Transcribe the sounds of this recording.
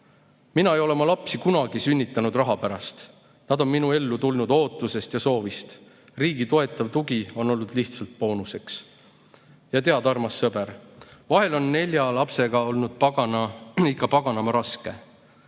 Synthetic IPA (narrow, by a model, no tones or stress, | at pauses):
minɑe̞jo̞le̞mɑlɑpsikunɑɡ̥isynʲːit̪ːˑɑnud̪rɑɦɑpæɾɑst̪ | nɑd̪o̞nminue̞lːut̪ulnud̪̥o̞ːt̪ːˑuse̞st̪jɑso̞ːvist̪ | riːɡit̪o̞e̞t̪ːˑɑvt̪uɡio̞no̞lːud̪̥liht̪sɑlt̪̚po̞ːnuse̞ks | jɑt̪e̞ɑd̪̥ɑrmɑsːɤbe̞ɾvɑɦe̞lo̞nːe̞lʲjɑlɑpse̞ɡ̥ɑo̞lnud̪̥̚pɑɡɑnɑikːˑɑpɑɡ̥ɑnɑmɑɾɑske̞̰